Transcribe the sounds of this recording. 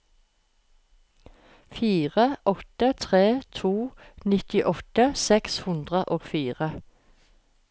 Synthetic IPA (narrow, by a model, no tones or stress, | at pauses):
fiːʁəʔɔt̪ət̪ʰʁeːt̪ʰuːnɪt̪ɪʔɔt̪əsɛkshʉnd̪ʁəʔoːɡ̥fiːʁə